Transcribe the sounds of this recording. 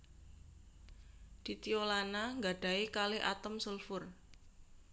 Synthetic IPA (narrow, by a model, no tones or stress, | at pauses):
d̪̥i̤t̪iolanaŋɡaɖ̥a̤ikalɪɦʔa̰t̪ɔmsulfʊr